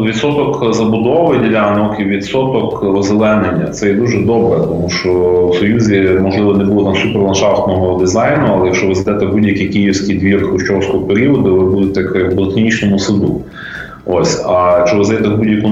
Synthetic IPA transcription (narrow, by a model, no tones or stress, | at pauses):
ʋʲid̪t̪sɔt̪ɔkzɐbʊd̪ɔʋɪdʲilʲaɐnɐkɪʋʲid̪sɔt̪ɔkɔzelˠɛnenʲːɐt̪sɛjɛd̪uʒɛd̪ɔbɾɛt̪ɔmuʃt͡ʃɔwsɔjuzʲimɔʒlˠɪʋɔnɛbulˠɔt̪ɐmsupɛrlˠɐnʃɑft̪nɔɦɔd̪ɪzɑjnʊɐlˠɛjɐkʃɔʋɪzɐd̪ɛt̪ɛbudʲjɐkʲijkijiwsʲkijd̪ʋʲirkɾʊʃt͡ʃɔwsʲkɔɦɔpeɾʲiɔd̪ʊʋɪbud̪et̪ɛkɛblˠek̪ʲnʲit͡ʃnɔmʊsɪd̪ṵ | ɔsʲɐt͡ʃɔʋɪzd̪ɐd̪ɛt̪ɛbudʲjɐku